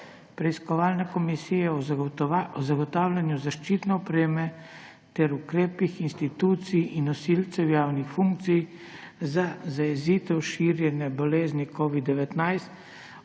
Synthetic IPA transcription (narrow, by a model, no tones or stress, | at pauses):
pɾɛiskɔʋaːlnɛkɔmisijɛɔ | ɔzaɡɔt̪aːwlʲanjuzaʃt͡ʃiːt̪nɛɔpɾeːmɛ | t̪ɛɾukɾeːpixinst̪it̪uːt̪sijinːɔsiːlt̪sɛwjaːwnixfuŋk̚t̪sij | zazajɛziːt̪ɛwʃiɾjɛnjɛbɔleːznikʰɔːʋid̪ːɛʋɛt̪najst̪